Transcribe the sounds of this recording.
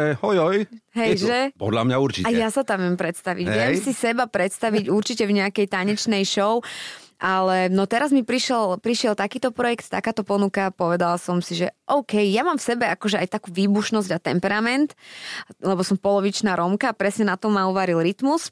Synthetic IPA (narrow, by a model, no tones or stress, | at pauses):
ɛhɔjɔjɦɛjʒɛpɔ̰d̪lamɲauɾt͡ʃicajjasat̪amʋɪɛmpɾɛt̪st̪aʋiɟʋɪjɛmmsisɛbapɾɛt̪st̪aʋiɟuɾt͡ʃicɛvɲɛakɛjt̪aɲɛt͡ʃnɛjʃɔʊʔalɛnɔt̪ɛɾazmipɾiʃɛlpɾiʃɪɛlt̪akiːt̪ɔpɾɔjɛkt̪t̪a̰kaːt̪ɔpɔnukapɔʋɛd̪alasɔmsiʒɛʔɔʊkɛjjamaːmfsɛbɛakɔʒɛajt̪akuːʋiːbuʃnɔzɟat̪ɛmpɛɾamɛnt̪ | lɛbɔsɔmpɔlɔʋit͡ʃnaːɾɔmkaːpɾɛsɲɛnat̪ɔmːauʋaɾilɾit̪mus